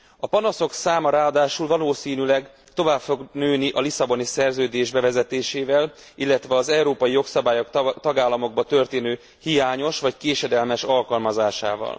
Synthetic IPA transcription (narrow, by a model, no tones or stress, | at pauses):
ɒpɒnɒso̞ksaːmɒɾaːɒd̪aːʃulvɒloːsiːnylɛɡ | t̪o̞vaːpfo̞ɡnøːniʔɒlisɒbo̞nisɛrzøːd̪eːʒbɛvɛzɛt̪eːʃeːvɛl | ilːɛt̪ʋɛɒzɛwɾoːpɒjijo̞ksɒbaːjokt̪ɒɡaːlːɒmo̞ɡ̚bɒt̪ø̞rt̪eːnøː | hijaːɲo̞ʃʋɒckeːʃɛd̪ɛlmɛʃɒlkɒlmɒzaːʃa̰ːvɒ̰l